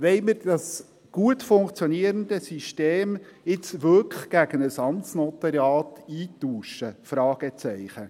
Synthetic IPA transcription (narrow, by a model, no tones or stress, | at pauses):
ʋɛɪməɾdɑs | ɡ̥uətfʊŋkt͡sjɔniəɾənd̪əsiʃteːmɪt͡sʋøkɡ̥æɡənəsɑnt͡snɔt̪ɑɾjɑːtiːtuːʃəfɾɑːɡ̥ət͡sɛɪχə